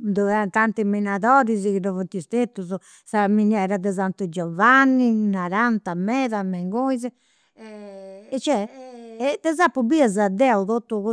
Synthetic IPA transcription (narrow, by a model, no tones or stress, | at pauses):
d̪ɔɛnt̪ant̪iminaðɔɾizikinɔvuɾt̪ist̪et̪ːuzu | saminɛɾaðɛzant̪ud͡ʒɔvanːinaɾant̪amɛðamɛŋɡojzɛ | ɛt͡ʃɛ | d̪ɛzapːubiazad̪ɛuðot̪ːuɣu